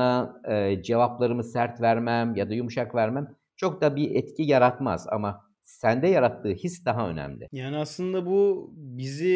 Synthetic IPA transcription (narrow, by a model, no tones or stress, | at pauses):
aɯːd͡ʒe̞vaplˠaɾɯmɯsæɾt̪væɾmæmjad̪ajumuʃakvæɾmæm | t͡ʃʰo̞k̚d̪abiɛt̪cʰijaɾat̪ma̰za̰ma | sænd̪ɛjaɾat̪ʰːɯːhisd̪aɦaø̞̰nɛ̰mlʲɪ̰jaːniaslˠɯnd̪abubizi